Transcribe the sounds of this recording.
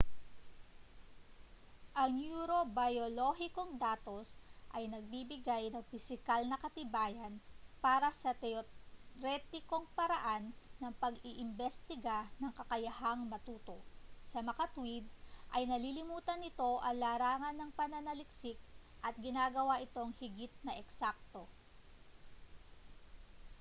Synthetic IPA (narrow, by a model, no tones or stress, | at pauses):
ʔɐŋnjuːɾo̞bɐjolo̞hɪko̞ŋd̪aːt̪o̞sʔɐjnɐɡ̚bibɪɡajnɐŋfɪsɪkalnɐkɐt̪ɪbaːjɐnpaːɾɐsɐt̪ɛoɾɛt̪ɪko̞ŋpɐɾɐʔanːɐŋpɐɡɪʔɪmbɛst̪ɪɡanɐŋkɐkɐjɐhaŋmɐt̪uːt̪o̞ʔsɐmɐkat̪wid̪̚ʔɐjnɐlilɪmuːt̪ɐnɪt̪o̞ʔɐŋlaːɾaːŋɐnːɐŋpɐnɐnɐlɪksɪk̚ | ʔɐt̪̚ɡɪnaːɡɐwaʔɪt̪o̞ŋhɪɡɪt̪̚nɐʔɛksak̚t̪o̞